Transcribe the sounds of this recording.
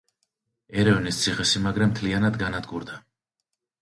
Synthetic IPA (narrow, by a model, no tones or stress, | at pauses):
ɛɾɛvnist̪sʰiχɛsimaɡɾɛmt̪ʰlianad̪ɡanad̪ɡuɾd̪a